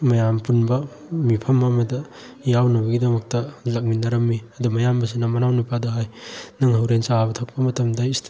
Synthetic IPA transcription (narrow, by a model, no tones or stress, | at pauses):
mɐjampunbɐ | mipʰɐmɐmɐdɐ | jawnɐbɐɡidɐmɐk̚tɐlɐk̚minɐɾɐmːiɐdumɐjambɐs̬inɐmɐnawnipadɐɦajnɐŋɦɐwɾensabɐtʰɐk̚pɐmɐtɐmdɐist